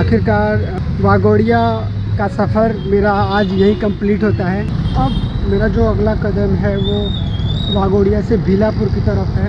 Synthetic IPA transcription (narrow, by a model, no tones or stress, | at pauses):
aːkɪɾkaːɾ | ʋaːɡoːɽija | kasɐfʰəɾmeːɾaaːd͡ʒjɐɦĩkɐ̃mpliːʈɦoːt̪aɦɛɐbmeːɾad͡ʒoːɐɡlakɐd̪əmɦɛʋo | ʋaːɡoːɽijasebʱɪlapʊɾkit̪ɐɾəfɦɛ